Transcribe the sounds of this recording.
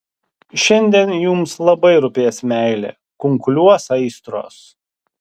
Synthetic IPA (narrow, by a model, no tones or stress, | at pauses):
ʃʲɛnʲd̪ʲiɛnjʊmslˠɐbɐɪɾʊpʲeːsmʲæɪlʲḛː | kʊŋklʲuɔsɐɪst̪ɾo̰ːs